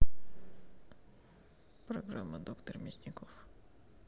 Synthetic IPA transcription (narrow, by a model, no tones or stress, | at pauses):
pɾɔɡɾa̰mːɐd̪ɔkt̪ɔrmʲɪsʲnʲɪkɔf